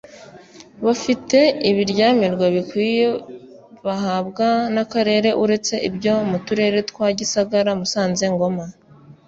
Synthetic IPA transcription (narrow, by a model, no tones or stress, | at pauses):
βafite̞iβiɾɟaːmiɾɡwaβikwiːje | βahabɡanakaɾe̞ɾe̞ʔuɾe̞t͡se̞ʔibɟo̞mutuɾe̞ɾe̞twaːɟisaɡaɾamusaːnze̞ŋɡo̞ma